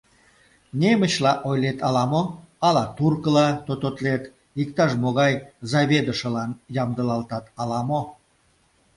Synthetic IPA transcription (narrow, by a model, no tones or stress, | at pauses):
nʲeməɕlɑʔojlet̪ɑlɑmoɑlɑt̪urkəlɑt̪ot̪ot̪let̪ | ikt̪ɑʃmoɣɑjzɑβʲed̪əʃə̆lɑnjɑmd̪ə̆lɑlt̪ɑt̪ɑlɑmo